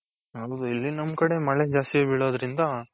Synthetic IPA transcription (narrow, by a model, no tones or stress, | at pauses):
ɦɐwd̪uilːinɐmːkɐɽe̞mɐɭe̞d͡ʒaːst̪iebiɭo̞ːd̪ɐɾind̪ɐ